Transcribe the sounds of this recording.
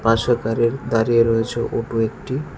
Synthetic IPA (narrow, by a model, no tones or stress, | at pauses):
paʃakaɾiɾd̪aɾijeɾɔet͡ɕʰoʔoʈuekʈi